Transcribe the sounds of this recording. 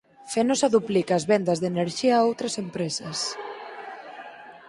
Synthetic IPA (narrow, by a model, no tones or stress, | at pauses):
fenosaðuplikaːzβɛnd̪azðeneɾʒiaːowt̪ɾɐsempɾesɐs